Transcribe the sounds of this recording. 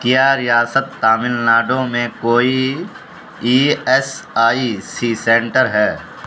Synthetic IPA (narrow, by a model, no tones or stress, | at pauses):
kijaɾɪjaːsət̪ːaːmɪlnaːɖõmẽkoːi | iːɛsaːisisẽːɳʈəɾɦɛː